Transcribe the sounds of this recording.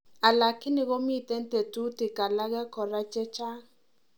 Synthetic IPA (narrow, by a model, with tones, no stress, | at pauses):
a˨la˨kɪ˦nɪ˨˦ɣɔ˦mi˦˨tɛ˦n˦tɛ˨tu˦tɪ˨ka˨la˦ɣɛ˦kɔ˨ɾa˦t͡ʃɛ˦t͡ʃa˦